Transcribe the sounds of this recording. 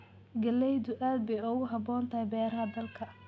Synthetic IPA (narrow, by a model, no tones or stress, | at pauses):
ɡɐlɛjd̪ʊʔaːd̪̚bɛjʊɣʊɦɑbɔːnt̪ʰɐhjbɛːɾɐɦɐd̪ɐlkʰɐ